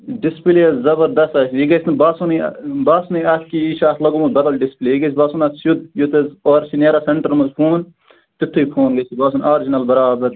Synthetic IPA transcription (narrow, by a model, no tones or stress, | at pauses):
ɖispleːzɐbɐɾd̪ɐst̪ɐːsʲjiɡɐsʲnɐbaːsunḭbaːsunɐjɐk̪kiiʃaːt̪ʰlɐɡomɐzbɐd̪ɐlɖispleːiɡɐsʰʲbaːsunɐsjud̪jut̪ɐzoːɾsineːɾaseɳʈɐɾmɐzpʰuːn | t̪it̪ʰːuipʰoːnɡɐsʰibaːs̬unaːɾd͡ʒinɐlbɐɾaːbɐɾ